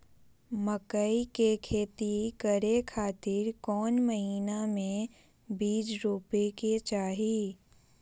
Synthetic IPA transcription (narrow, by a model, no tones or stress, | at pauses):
məkəikekʰeːt̪ikəɾekʰaːt̪ɪɾkɔːnməɦiːnamẽ | biːd͡ʒɾuːpeket͡ʃaːɦiː